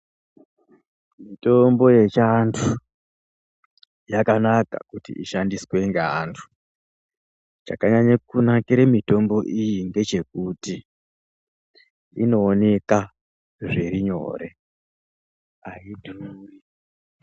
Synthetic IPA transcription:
mito̞mbo̞je̞t͡ʃantʰu | jakanaka̰kutḭʔiʃandiswe̞ŋɡantʰu̥ | t͡ʃa̰kaɲaɲakunakiɾemito̞mbo̞ʔijiŋɡe̞t͡ʃe̞kuti | ino̞ːne̞ka | ʐeɾiɲo̞̰ɾe̞ | aidʱuruːri

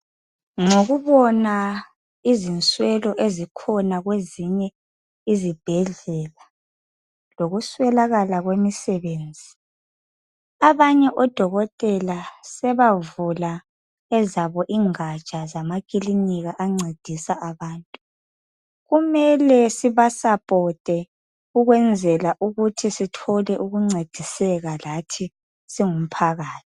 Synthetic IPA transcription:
ŋoɣuβɔna | izint͡sʼwɛlɔʔezikʰɔnaɣweziɲɛ | izib̥ʱɛɮɛla | loɣuswɛlaɣalaɣwemisɛβeːnd͡zʱi | aβaɲɛʔɔd̥ʱɔɣɔtʼɛlasɛβavula | ɛzaβɔʔiŋat͡ʃʼazamakʼiliniɣaʔaŋ͡ǀʱed̥ʱisaʔaβaːntʼu | ɣumɛlɛsiβasapʼɔtʼɛ | uɣwɛnd͡zʱɛlaʔuɣutʰisitʰɔlɛʔuɣuŋ͡ǀʱed̥ʱisɛɣalatʰi | siŋum̩pʰaɣaːtʰi̥

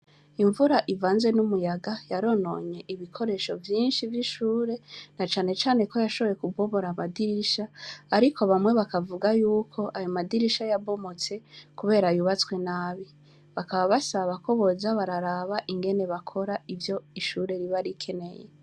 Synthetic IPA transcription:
iɱvuɾaʔivaːnzwe̞numujaɡajaɾo̞no̞̰ːɲe̞ʔiβikʰo̞ɾe̞ʃo̞vjiːnʃivjiʃuːɾe̞nat͡ʃaːne̞t͡ʃaːne̞ko̞jaʃo̞βoje̞kubo̞mo̞ɾamadiɾiʃaːɾikʰo̞βamŋe̞βakavuɡajuːkʰo̞ʔajomadiɾiʃajabo̞mo̞t͡se̞kuβe̞ːɾajuβat͡swe̞naːβi | βakaβaβasaβako̞βo̞zaβaɾaɾaβaʔiŋɡe̞ne̞βakʰo̞ɾaivjo̞iʃuɾe̞ɾiβaɾikʰe̞ne̞jḛ

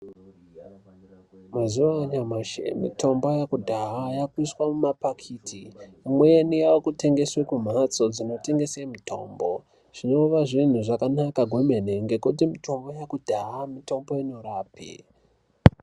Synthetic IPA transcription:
mazuwaɲamaʃḛmḭtʰo̞mbo̞jakudʱaɦajakwiswamumapakʰiːtʰiːmwejenijawokute̞ŋɡe̞swekum̤at͡so̞d͡zino̞te̞ŋɡe̞semitʰo̞̰ːmbo̞ | ʐ̥ino̞ʋaʐin̤uʐakanakaɡʱomeneŋɡe̞kut̬imito̞mbo̞jakudʱaɦamito̞mbo̞ino̞ɾaːpḭ

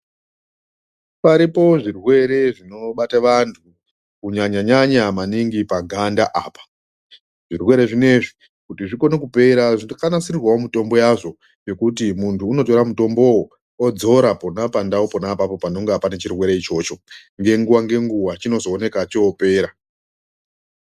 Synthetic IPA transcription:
paɾipo̞ʐirwe̞ɾe̞ʐino̞ɓataʋantʰu | kuɲaɲaɲaɲamaniŋɡipaɡʱandaʔaːpḁ | ʐ̥irwe̞ɾe̞ʐine̞ʐi | kutiʐiko̞nekupe̞ɾaʐinkanasirirwaomito̞mbo̞jaʐo̞ | jo̞kut̬imuntʰuːno̞to̞ɾamuto̞mbo̞wo | od͡zo̞ɾaponapandaopo̞napapo̞pano̞ŋɡapane̞t͡ʃirwe̞ɾe̞it͡ʃo̞ːt͡ʃo̞ | ŋɡe̞ŋɡuwaŋɡe̞ŋɡuwat͡ʃino̞zo̞ːne̞kat͡ʃoope̞ːɾa

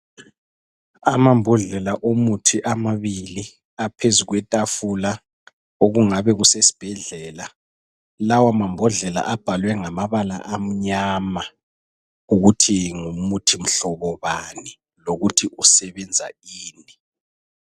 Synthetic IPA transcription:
amambʱɔɮɛlaʔomutʰiʔamaβili | apʰezuɣwɛtʼafula | oɣuŋaβɛɣusesi̥b̥ʱɛɮɛːla | lawamambʱɔɮɛla̰ʔab̥ʱalwɛŋamaβala̰ʔam̩ɲaːma | uɣutʰiŋumutʰim̩ɬɔβɔβani | loɣutʰiusɛβɛnd͡zʱa̰iːni

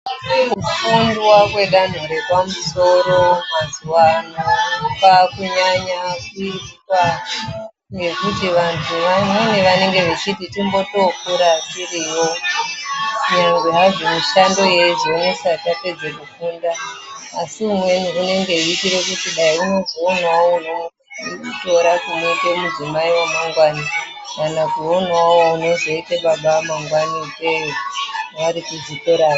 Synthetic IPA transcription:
kufundwakwe̞ɗan̤oɾe̞pamuso̞ɾo̞mazuwanapakuɲaɲakuitkwa | ŋɡe̞kutiʋantʰuʋamweneʋane̞ŋɡe̞ʋe̞t͡ʃititimbo̞tokuɾatiriwo̞ | kuɲaŋɡweɦaʐomiʃando̞je̞ʐoino̞satape̞d͡zekukuːndaː | siumwe̞nuɦune̞ŋɡe̞uitiɾekutiɗaiuno̞zoonwawouno̞ | uto̞ɾakumoitemuzimaiwamaŋɡwana | kanakuo̞nwawouno̞zo̞iteɓaɓamaŋɡwanikwe | ʋaɾikuzikoɾaːa

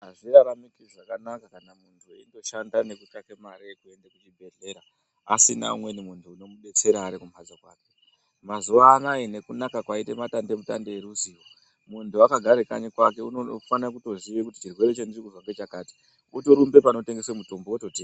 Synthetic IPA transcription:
ɦaʐiraɾamikiʐakanakakanamuntʰuḭndo̞ʃandane̞kukakemaɾekue̞ndakut͡ʃibʱe̞ɮe̞ːɾaː | sina̰ṵmwe̞nimuntʰuːno̞muɗe̞t͡se̞ɾaːɾikumad͡zokwaːke̞ | mazuʋaːnaine̞kunakakwaite̞matande̞muta̰ndeeɾuziːwo | muntuakaɡʱaɾeka̰ɲekwake̞unofanakuto̞ziʋekuti̥t͡ʃirwe̞ɾet͡ʃendirikuʐaŋɡet͡ʃakaːti̥ | utoɾumbe̞pano̞te̞ŋɡeswemuto̞mbooto̞tiːa

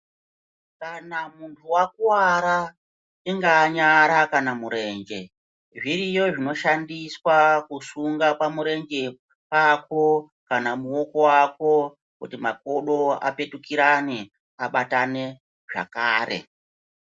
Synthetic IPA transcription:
kanamuntʰuwakuwaɾa | iŋɡaɲaɾakanamuɾe̞ːŋɡe̞ | ʐirijo̞ʐino̞ʃandiswakusuŋɡapamuɾe̞ŋɡe̞ | pako̞ | kanamuwo̞ko̞wako̞ | kṵtimako̞ɗo̞a̰pe̞tukiɾane | aɓatane̞ | ʐa̰kaːɾe̞̰

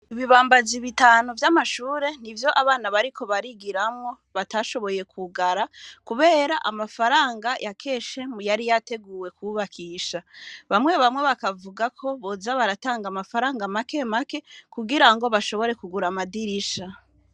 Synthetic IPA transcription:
iβiβaːmbaziβitaːnuvjamaʃuːɾe̞nivjo̞ʔaβaːnaβaɾikʰo̞βaɾiɡiɾamŋo̞ | βataʃo̞βo̞je̞kʰuɡaɾakuβe̞ːɾaʔamafaɾaːŋɡajʔakʰe̞ːʃe̞mujaɾijate̞ɡuːwe̞kuβakʰiːʃaβamŋwe̞βamwe̞βakavuɡakʰo̞βo̞zaβaɾataːŋɡamafaɾaːŋɡamake̞make̞kuɡiɾaŋɡo̞βaʃo̞βo̞ɾe̞kuɡuɾamadiɾiʃa

